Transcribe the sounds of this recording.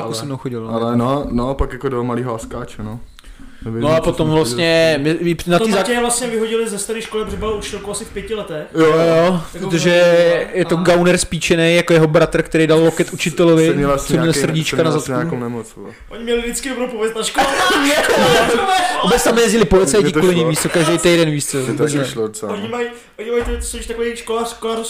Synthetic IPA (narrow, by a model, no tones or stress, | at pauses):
akusɛmnowxoɟɪlnalɛnonopakjakodomaliːɦoaskaːt͡ʃɛno | ɛvɪnoapot̪omvlast̪ɲɛmɪinat̪iːzaːɛvlast̪ɲɛvɪɦoɟɪlɪzɛst̪aɾiːʃkolɪbrɛbalut͡ʃ̪ɛlkowasɪfpjɛcɪlɛt̪ɛxjojopɾot̪̬oʒɛjɛt̪oɡawnɛɾspiːt͡ʃɛnejjakojɛɦobɾat̪r̩kt̪ɛɾejdallokɛt̪ʔut͡ʃɪt̪ɛlovɪɛlssoɲɛlsr̩ɟɪt͡ʃkanazat̪kunɛmot͡s | ʔoɲɪmɲɛlɪdɪt͡skɪdobɾowpovɛst̪naʃkoɲɪako | obɛt͡st̪amjɛzɟɪlɪpolɪt͡st͡sajcɪkulɪɲimviːst̪ɛlkaʒdejt̪ejdɛnviːst͡sɛlvubɛt͡snɛoɲɪmaji | ʔoɲɪmajt̪t̪soʃt̪akoejiʃkolaːkolaːɾus